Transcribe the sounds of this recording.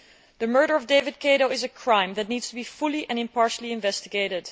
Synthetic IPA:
ðəmɜ˞ɾə˞ʌvdeɪvɨd̚kʰeɪɾoʊɪzəkʰɹ̥ãɪ̃mðɨtⁿnidstəbifʊlˠiʔɛ̃nɨ̃mpɑɹʃəl̩ˠiɨ̃ɱvɛstɪɡeɪɾɪd̥

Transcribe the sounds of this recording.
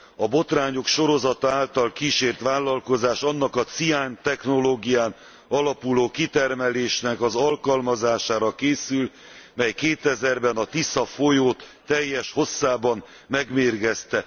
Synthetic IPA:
ɒbo̞t̪raːɲo̞kʃo̞ɾo̞zɒt̪ɒaːlt̪ɒlkiːʃeːrt̪ʋaːlːɒlko̞zaːʃɒnːɒkɒt̪sijaːnt̪ɛxno̞loːɡijaːn | ɒlɒpuloːkit̪ɛrmɛleːʃnɛkɒzɒlkɒlmɒzaːʃaːɾɒkeːsyl | mɛjkeːt̪ɛzɛrbɛnɒt̪isɒfo̞joːt̪ːɛjːɛʃho̞sːaːbɒn | mɛɡmeːrɡɛst̪ɛ

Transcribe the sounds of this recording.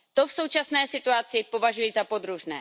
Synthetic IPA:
t̪o̞fsowt͡ʃasnɛːsɪt̪uat͡sɪpo̞vaʒujizapo̞d̪ɾuʒnɛ̰ː

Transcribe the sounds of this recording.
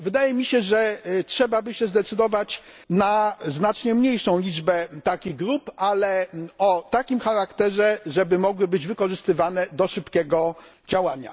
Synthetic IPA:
vɘd̪ajɛmʲiɕɛʐɛtʂɛbabɘɕɛzd̪ɛt̪sɘd̪ɔvat͡ɕ | naznat͡ʂɲɛmɲejʂɔ̃w̃lʲid͡ʐbɛt̪akʲiɣɡɾupalɛɔt̪akʲimxaɾakt̪ɛʐɛʐɛbɘmɔɡwɘbɘd͡ʑvɘkɔʐɘst̪ɘvanɛd̪ɔʂɘpkʲɛɡɔ | d͡ʑawaɲa̰

